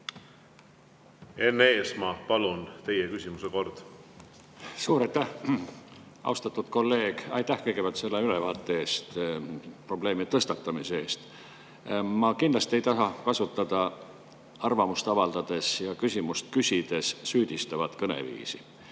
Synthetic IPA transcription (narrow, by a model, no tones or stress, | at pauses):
e̞nːeːsmɑpɑlunt̪e̞jekysʲimuseko̞rd̪̥ | suːɾɑjt̪ːæh | ɑ̰wst̪ɑt̪ːˑud̪̥ko̞lːe̞ːɡ̥ɑ̰jt̪ːˑæhkɤjɡ̥e̞b̥ælt̪se̞lːeylevɑːt̪ːˑe̞e̞ːst̪ | pro̞ble̞ːmit̪ɤst̪ɑt̪ːˑɑmisee̞ːst̪ | mɑkind̪lɑst̪ie̞jt̪ɑɦɑkɑsut̪ːˑɑd̪̥ɑ | ɑrvɑmust̪ɑvɑld̪̥ɑd̪̥e̞sjɑkysʲimust̪kysʲid̪̥e̞sːyːd̪̥ist̪ɑvɑt̪kɤnḛvḭːsi